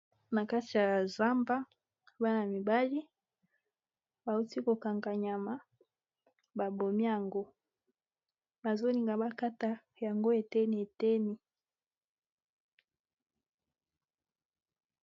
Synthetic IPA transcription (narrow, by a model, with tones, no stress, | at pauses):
na˨ka˦ti˨ja˨a˨za˦mba˦ | ba˦na˨mi˨ba˦li˦ | ba˨u˦ti˦ko˨ka˨ŋɡa˨ɲa˨ma˦ | ba˨bo˨mi˦ja˨ŋɡo˦ | ba˨zo˦ni˨ŋɡa˨ba˦ka˦ta˨ | ja˨ŋɡo˦e˨te˦ni˨e˨te˦ni˨